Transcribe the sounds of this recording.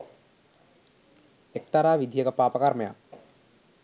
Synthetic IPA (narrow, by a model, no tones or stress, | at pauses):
ek̚t̪aɾaːʋid̪ʱijəkəpaːpəkarməja̰